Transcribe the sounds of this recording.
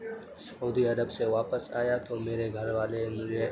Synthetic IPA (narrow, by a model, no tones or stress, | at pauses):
s | uːd̪iɐɾəbseʋaːpəsaːjat̪omeːɾeɡʱɐɾʋaːlemʊe